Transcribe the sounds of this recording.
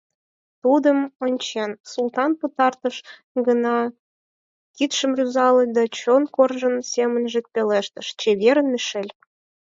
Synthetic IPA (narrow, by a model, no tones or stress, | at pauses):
t̪ud̪əmonʲt͡ɕensult̪ɑnpət̪ɑrt̪əʃ | ɡənɑ | kit̪ʃə̆mrʲyzɑlə̆lʲd̪ɑt͡ɕonkorʒə̆nsemənʒek̚peleʃt̪əʃt͡ɕeβeɾənmeʃelʲ